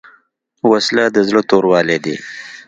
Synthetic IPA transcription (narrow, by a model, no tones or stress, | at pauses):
waslad̪əzlot̪oɾwɑːled̪ḭ